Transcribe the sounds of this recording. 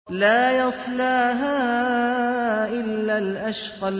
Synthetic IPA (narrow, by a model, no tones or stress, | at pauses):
laːjɑsˤlaːɦaː | ʔɪlːalʔaʃqɑ